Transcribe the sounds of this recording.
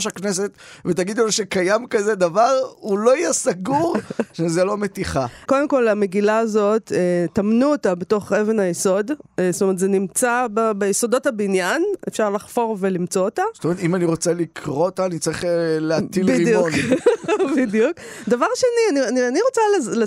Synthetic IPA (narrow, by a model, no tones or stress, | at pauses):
ʃakneset̪vet̪aɡid̪loʃekajamkazed̪avaʁulo̞ijasaɡuʁʃezelo̞met̪iχako̞demko̞lameɡilaːzo̞tetamnuotabeto̞χe̞ve̞najeso̞dsot̪omet̪zenimt͡sababejesodo̞thabinjanefʃaʁlaχfo̞ʁve̞limt͡so̞otaz̥etomeet̪imaniʁo̞t͡selikʰʁot̪aːnit͡saʁiχleatilbiidjuon | bidijukd̪avaʁʃenianianianiʁo̞t͡salele